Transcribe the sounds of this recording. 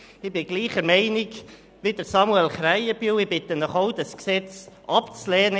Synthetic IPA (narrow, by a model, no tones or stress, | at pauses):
ɪbɪɡ̥liːχəɾmɛɪnɪk | ʋɪd̪əɾsɑmuɛlχɾæɪəbywɪbɪt̪ənɔχoʊdɑsksɛt͡sʔɑpt͡slɛːnə